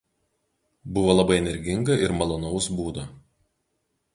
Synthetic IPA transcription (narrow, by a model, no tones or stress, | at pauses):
bʊʋoːlˠɐbɐɪɛnʲɛɾʲɡʲɪŋɡɐʔɪɾmɐlˠɔnɐʊsbuːd̪o